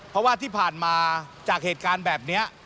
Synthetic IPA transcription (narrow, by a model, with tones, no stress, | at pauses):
pʰɾɔ˦˥waː˥˩t̪ʰiː˥˩pʰaː˨˩nmaː˧t͡ɕaː˨˩k̚heː˨˩t̪̚kaː˧nbɛː˨˩p̚ni˦˥ɐ